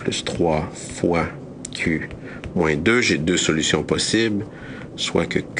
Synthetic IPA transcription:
plyst̪χwa | fwa | kʲʰy | mwɛ̃d̪øʒed̪øsɔlysjɔ̃pɔsibl | swa̰kək

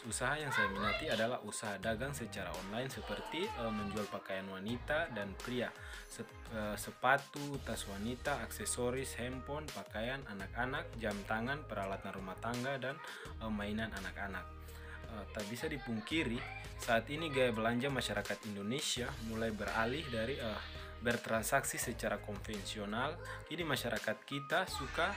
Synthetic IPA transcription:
usaɦajaŋsajaməŋat̪iadalahusaɦadaɡaŋsət͡ʃaɾa̰ɔnlainsəpərt̪iəməɲd͡ʒualpakajanwanit̪adanpɾia | sə | əsəpat̪ut̪aswanit̪aːksɛsɔɾishɛmpɔnpakajananak̚anak̚d͡ʒamt̪aŋanpəɾalat̪anrumaht̪aŋɡadan | əmːainananakanak̚ | ət̪abisadipuŋkiɾi | saːt̪iniɡajabəlaɲd͡ʒaŋmaʃaɾakat̪indonesiamulajbəɾa̰lihdaɾiə | bərt̪ɾansaksisət͡ʃaɾakɔnfɛnsiɔnalkidimaʃaɾʔakat̪̚kit̪asuka

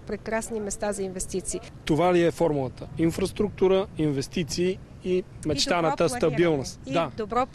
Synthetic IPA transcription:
pɾɛkɾasnimɛst̪azɐinvɛst̪it̪siː | t̪ovaliɛfɔɾmulˠət̪əinfɾɐst̪ɾuk̚t̪uɾəinvɛst̪it̪siː | mɛt͡ʃt̪anət̪əst̪ɐbilˠnost̪d̪ad̪obɾɔ

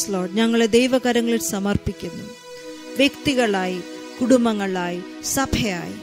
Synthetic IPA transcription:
sloːɖɲɐŋːɐɭed̪e̞jʋɐɣɐɾɐŋːɐɭiʈsɐmɐrpikʲːunːu | ʋjekt̪iɣɐɭaːji | kuɽumbɐŋːɐɭaːji | sɐbʱɐja̰ːjḭ

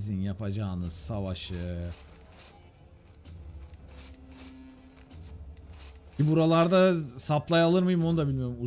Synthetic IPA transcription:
zinjapʰad͡ʒaːnɯzsavaʃɯɯ | cʰibuɾalˠaɾd̪asaplˠajalˠɯɾmɯjɯmo̞nud̪abilʲmijo̞ɾumu

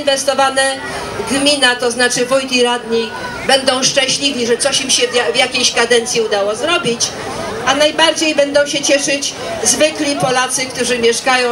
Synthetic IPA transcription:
nvɛst̪ɔvanɛ | ɡmʲinat̪ɔznat͡ʂɘvujt̪ʲiɾad̪ɲi | bɛnd̪ɔ̃w̃ʂt͡ʂɛ̃ɕlʲivʲiʐɛt̪sɔɕimɕɛavʲjakʲejɕkad̪ɛnt̪sʲjiud̪awɔzɾɔbʲit͡ɕ | ʔanajbaɾd͡ʑejbɛnd̪ɔ̃w̃ɕɛt͡ɕɛʂɘt͡ɕ | zvɘklʲipɔlat̪sɘkt̪uʐɘmʲjɛʂkajɔ̃w̃

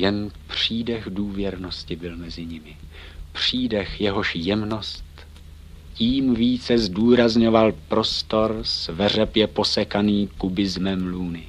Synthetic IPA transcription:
jɛnpr̝̥iːdɛxduːvjɛɾno̞scɪbɪlmɛzɪɲɪmɪ | pr̝̥iːdɛxjɛɦo̞ʃjɛmno̞st̪ | ciːmviːt͡sɛzduːɾazɲo̞valpɾo̞st̪o̞ɾsvɛr̝ɛpjɛpo̞sɛkaniːkubɪzmɛmluːnɪ

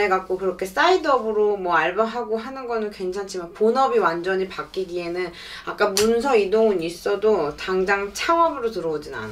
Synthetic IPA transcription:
eɡak͈okɯɾʌkʰe̞s͈aidʌbɯɾomʌaɭbaɦaɡoɦanɯnɡʌnɯnkwe̞ŋt͡ɕʰant͡ɕʰimanponʌbiwand͡ʑʌɲipak͈iɡie̞nɯn | ak͈amunsʰʌidoŋɯnis͈ʌdotaŋd͡ʑaŋt͡ɕʰaŋʌbɯɾotɯɾʌod͡ʑina̰n

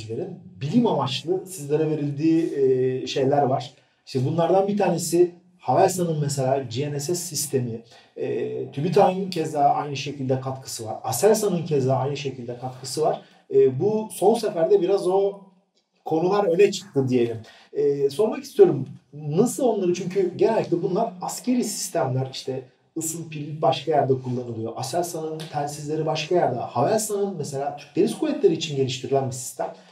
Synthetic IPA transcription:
lʲeɾinbilʲimamat͡ʃlˠɯsizlʲeɾave̞ɾilʲd̪iːʃe̞jlʲæɾvaɾ̥ | iʃt̪ʰɛbunlˠaɾd̪anbit̪ʰaːne̞si | havæɾsanɯnmɛs̬elʲaːd͡ʒienɛsɛsːist̪ʰe̞mi | ɛt̪ʰybit̪ʰaɯncʰɛzd̪aʔajnɯʃe̞cʰilʲd̪ɛkʰat̪kʰɯ̥sɯva̰ɾasæɾsanɯncʰɛzd̪aajnɯʃe̞cʰilʲd̪ɛkʰat̪kʰɯsɯvaɾ̥ː | buso̞nsefæɾd̪ɛbiɾazo̞ | kʰo̞nulˠaɾø̞nɛt͡ʃʰɯ̥k̚t̪ʰɯd̪ije̞lʲimː | so̞ɾmakist̪ʰijo̞ɾumnasɯlˠo̞nlˠaɾɯt͡ʃʰyɲcʰyɟenelʲːictlɛbunlˠaɾascʰe̞ɾisi̥st̪ʰæmlʲæɾiʃt̪ʰɛ | usunpʰiɾlʲic̚baʃkʰajæɾd̪ɛkʰulˠːanɯlˠɯjo̞ʔasælsanɯnt̪ʰænsizlʲe̞ɾibaʃkajæɾd̪ɛhavæsanɯnmɛse̞lʲaːt̪ʰy̥ɾc̚d̪eɾiz̥kʰuvʲɛt̪lʲeɾiːt͡ʃʰinɟe̞lʲiʃt̪ʰiɾilʲænbisi̥st̪ʰæm

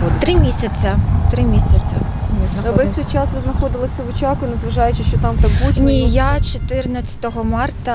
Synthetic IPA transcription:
t̪ɾɪmʲisʲɐt͡sʲɐt̪ɾɪmʲisʲɐt͡sʲɐ̰ | neznɐxʋɪsʲt̪ejt͡ʃɑsʋɪznɐxɔd̪ɪlˠɔsʲɐʋʊt͡ʃɑkʊinɐzʋɐʒɑjʊt͡ʃɪʃt͡ʃɔt̪ɑmt̪ɐkbutʲnʲijat͡ʃɔt̪ɪrnɐt͡sʲːɐ̥t̪ɔɦɔmɑrt̪ɐ

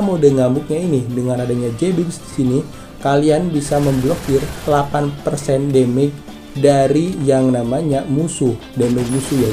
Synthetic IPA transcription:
modaŋambʊk̚ɲainidəŋanadaɲad͡ʒebɪksdisini | kalianbisaməmblokɪrlapanpərsɛndɛmɛd͡ʒ̚ | daɾijaŋnamaɲamusuh | dɛmɛd͡ʒ̚musuhja

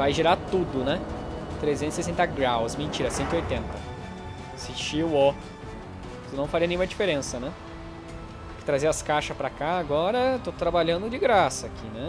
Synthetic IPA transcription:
vajʒeɾat̪ud̪ʊnɛt̪ɾezẽt̪ʊsesẽnt̪ɐɡɾawsmẽt͡ʃiɾɐsẽnt̪ʊɪojt̪ẽnt̪ɐ | siʃiwɔ | t̪ʊnɐ̃w̃faɾiɐnẽɲũmɐd͡ʒifeɾẽsɐnɛ | pʊkɪ̥t̪ɾazeɾɐskaʃɐspɾakaːɡɔɾɐt̪ot̪ɾabaʎɐ̃nd̪ʊd͡ʒɪɡɾasɐːkinɛ

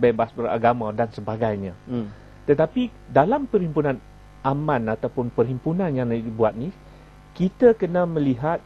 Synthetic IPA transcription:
bɛbasbəɾa̰ɡamãdansəbaɡajɲã | t̪ət̪api | dalampərhimpunãn | amãnat̪awpʊnpərɦimpunãnjaŋdədibuat̪̚ni | kit̪əkənãmə̃liɦat̪̚

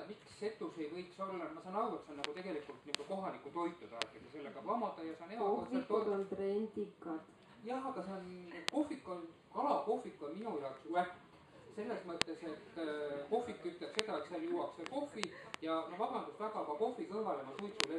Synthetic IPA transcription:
miksːe̞t̪ːˑuse̞jvɤ̞jkso̞lːɑmɑsɑnɑɾuet̪seonːɑɡ̥ut̪e̞ɡ̥e̞likult̪niɡuko̞ɦɑlikːˑut̪o̞jt̪ːˑut̪ɑet̪ːˑet̪ese̞lːeɡ̥ɑɑmɑd̪̥ɑjɑsɑnehɑɑseoont̪renʲd̪ikːɑt̪ | jɑɦɑɡ̥ɑseonko̞fːikːon | kɑlɑko̞fːikːˑɑminujɑoksæ | se̞lːe̞smɤt̪ːˑe̞se̞t̪ːko̞fːikːyt̪lepse̞d̪ɑet̪sɑljuwɑkseko̞fːijɑmɑvɑbɑnd̪ust̪væɡɑkɑko̞fikɤhvɑlemɑsujt̪sule

